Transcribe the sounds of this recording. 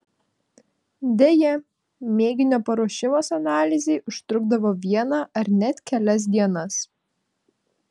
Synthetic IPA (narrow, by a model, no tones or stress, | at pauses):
d̪ʲejɛ | mʲeːɡʲɪnʲoːpɐɾoɔʃʲɪmoːsɐnɑːlʲɪzʲeɪʔʊʃt̪ɾʊɡd̪ɐʋoːʋʲiɛnɑʔɐɾnʲɛt̪ʲkʲɛlʲɛs̬d̪ʲiɛnɐs